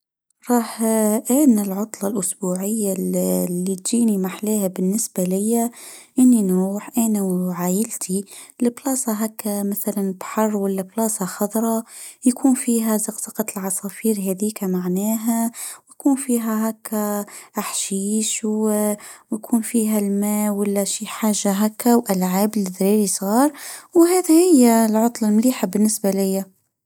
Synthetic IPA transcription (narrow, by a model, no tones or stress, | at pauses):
ɾˤɑːħʔaːnɪlʕʊt̪ˤlɑlʔʊsbuːʕɪjːalːit̪d͡ʒiːnimaħleːhabɪnːɪsbalɪjːaʔɪnːinuːħʔanawʕaːjɪlt̪ʰilɪblɑːsˤɑɦakːamaθalanbħɑrˤːwalːablɑːsˤɑxɑd̪ˤɾˤɑjkʰuːnfiːɦæzɑqt̪ɑqɑt̪lʕɑsˤɑfiːɾɦɛd̪iːkamaʕnæːɦæwjkuːnfiːɦæɦækːæʔaħʃiːʃw | jkʰuːnfiːɦælmæːwalːæʃiːħaːʒːaɦækːawʔælʕaːblid̪ɾiːɾisˤɑːɾˤwɦæːd̪ihɪjːælʕʊt̪ˤlɑlmliːħabɪnːɪsbalɪjːa